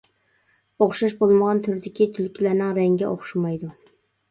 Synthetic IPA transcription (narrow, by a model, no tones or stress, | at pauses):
oχʃɑʃbolˠməʁɑnt̪ʰyɾd̪ɪkʲit̪ʰylkʲilæɾnɪŋɾɛŋɡʲɛʔoχʃumɑjd̪u